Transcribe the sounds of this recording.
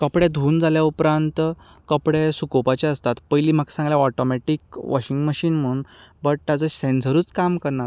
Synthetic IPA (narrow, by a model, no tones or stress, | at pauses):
kəpɽed̪ʱuːnd͡zaljaupɾãnt̪ | kəpɽesukopat͡ɕaəst̪at̪pəjliːm̤aksãŋɡljaɔʈɔmɛʈiːkʋɔ̰ɕiŋɡməɕiːnm̤əɽuːnbəʈ̚t̪jad͡zəsensəɾuːt͡skamkəɾɳaɾ